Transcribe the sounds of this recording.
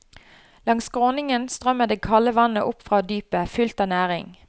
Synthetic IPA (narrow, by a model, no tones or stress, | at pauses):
lɑŋsɡʁoːnɪŋənst̪ʁœməd̪eːkʰɑləʋɑnəʔʊpfʁɑːd̪yːpəfʉlt̪ɑːnæːʁɪ̰ŋ